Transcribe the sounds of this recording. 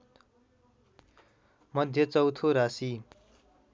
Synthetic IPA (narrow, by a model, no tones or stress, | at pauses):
mʌd̪ʱjʌt͡sʌwt̪ʰoɾasi